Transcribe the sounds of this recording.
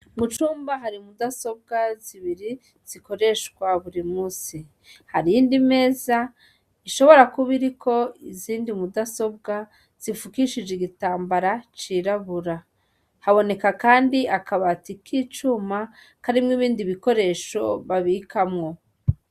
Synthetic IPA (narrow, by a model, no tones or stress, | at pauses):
mut͡ʃuːmbaɦaɾimudaso̞b̚ɡaziβiɾi | z̥iko̞ɾe̞ʃkwaβuɾimŋuːsi | haɾiiːndime̞ːza | iʃo̞βo̞ɾakuβiɾikʰo̞iziːndimudaso̞b̚ɡa | z̥ifukiʃid͡ʒeɡitaːmbaɾat͡ʃiɾaβuɾa | haβo̞ne̞kakaːndiakaβatikʰit͡ʃuma | kaɾimŋiβiːndiβiko̞ɾe̞ːʃo̞̰βaβikʰamŋo̞